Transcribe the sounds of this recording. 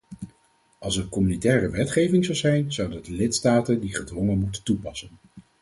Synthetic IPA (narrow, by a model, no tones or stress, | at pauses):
ʔɑlˠs̬əɹkɔmynitɛːrəʋɛtχejvɪŋzɑwzɛjnzʌwdəndəlɪtstaːtəndiχədʋɔŋənmutəntupɑsən